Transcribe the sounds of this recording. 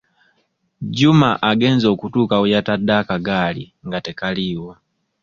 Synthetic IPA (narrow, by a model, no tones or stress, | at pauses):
ɟumaʔaɡe̞ːnzo̞ːkutuːkawujatadːaːkaɡaːliŋɡate̞kaliːwo